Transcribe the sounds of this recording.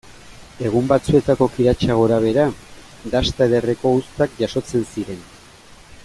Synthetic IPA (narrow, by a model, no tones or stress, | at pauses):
e̞ɣ̞umbat͡sue̞t̪ako̞kiɾat͡ʃaɣo̞ɾaβ̞e̞ɾa | d̪ast̪aeðere̞ko̞ust̪ak̚ʝaso̞t͡se̞nsiɾe̞n